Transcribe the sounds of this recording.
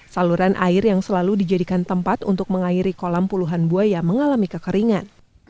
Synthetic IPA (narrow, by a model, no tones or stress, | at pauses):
saluɾanʔa̰ɪrjaŋsəlaludid͡ʒadikant̪əmpat̪ṵnt̪ʊk̚məŋaiɾikolampuluɦanbuajaməŋalamikəkəɾiŋan